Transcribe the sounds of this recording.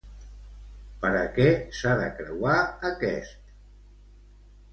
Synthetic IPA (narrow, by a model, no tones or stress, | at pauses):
pəɾəkɛsaðəkɾəwaəkɛ̰st̪